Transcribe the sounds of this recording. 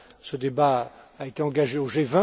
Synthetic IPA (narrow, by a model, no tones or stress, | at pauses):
səd̪ebaːet̪eɑ̃ɡaʒeoʒevɛ̃